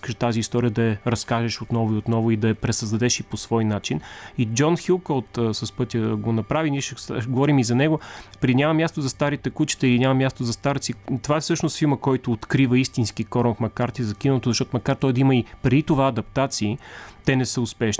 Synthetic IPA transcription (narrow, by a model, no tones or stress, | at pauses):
ikəʃt̪aziːst̪ɔɾijəd̪ɐɛɾɐskaʒɛʃot̪nɔvʊiot̪nɔvʊid̪ɐɛpɾɛsəzd̪ɐd̪ɛʃiposv̥ɔjnat͡ʃinid͡ʒɔnxilˠkolˠt̪ːsɐspɤt̪ʲjəɡonɐpɾaviniɛʃɛɡovɔɾimizɐnɛɡopɾɛd̪iɲʲamɐmʲjast̪ozɐst̪aɾit̪ɛkut͡ʃi̥t̪ɛilinʲamɐmjast̪ozɐst̪aɾt̪sit̪ovaɛsɤʃnʊst̪filˠməkɔjt̪ʊːt̪kɾivəist̪inskikɔɾəfmɐkaɾt̪ʲizɐkʲinəot̪ozɐʃtɔt̪oʊmɐkaɾt̪ɔjd̪ɐiməipɾɛd̪it̪ovaɐd̪ɐp̚t̪at̪siːt̪ɛnɛsəʊspɛʃni